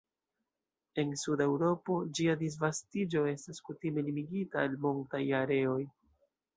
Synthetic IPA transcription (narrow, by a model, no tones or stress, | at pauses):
e̞nsude̞wɾo̞po̞d͡ʒiadis̬vastid͡ʒo̞e̞staskutime̞limiɡitaːlmoŋk̚tajaɾe̞o̞j